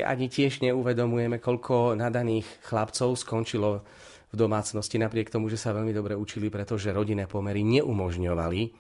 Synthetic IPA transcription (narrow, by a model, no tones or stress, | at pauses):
ʔa̰ɲicɪɛʒɲɛuʋɛd̪ɔmujɛmɛkɔʎkʰɔnad̪aniːxxlapt͡sɔʊskɔnt͡ʃilɔ | vd̪ɔmaːt͡snɔscinapɾɪɛkt̪ɔmuʒɛsaʋɛʎmid̪ɔbɾɛut͡ʃilipɾɛt̪ɔʒɛɾɔɟinɛːpɔmɛɾiɲɛʔumɔʒɲɔʋali